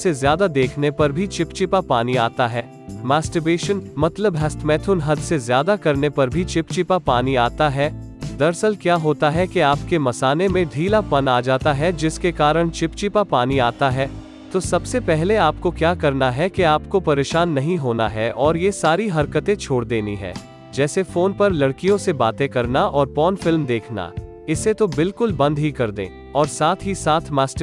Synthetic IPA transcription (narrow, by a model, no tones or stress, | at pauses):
sezjaːd̪ad̪eːkʰnepɐɾbʱit͡ʃɪpt͡ʃɪpapaːniaːt̪aɦɛː | maːsʈəbeːʃənmɐt̪ləbɦɛst̪ʰmɛːt̪ʰʊnɦɐd̪sezjaːd̪akɐɾnepɐɾbʱit͡ʃɪpt͡ʃɪpapaːniaːt̪aɦɛː | d̪ɐɾsəlkjaːɦoːt̪aɦɛkeaːpkemɐsaːnemẽɖʱiːlapɐnaːd͡ʒaːt̪aɦɛd͡ʒɪskekaːɾəɽ̃t͡ʃɪpt͡ʃɪpapaːniaːt̪aɦɛː | t̪osɐbsepɛɦleaːp̚kokjaːkɐɾnaɦɛkeaːpkopɐɾeːʃaːnːɐɦĩɦoːna̰ɦɛʔɔːɾjesaːɾiɦɐɾkət̪ẽt͡ʃʰoːɽd̪eːniɦɛ̰̃ː | d͡ʒɛːsefoːnpɐɾlɐɽkijõsebaːt̪ẽkɐɾnaʔɔːɾpɔːnfɪlmd̪eːkʰna̰ | ɪset̪obɪlkʊlbɐ̃nd̪ɦikɐɾd̪ḛ̃ː | ɔːɾsaːt̪ʰɦisaːt̪ʰmaːsʈ